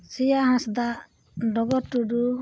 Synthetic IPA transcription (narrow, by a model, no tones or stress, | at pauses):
sijaɦãsd̪aʔ | ɖɔɡɔɾʈuɖu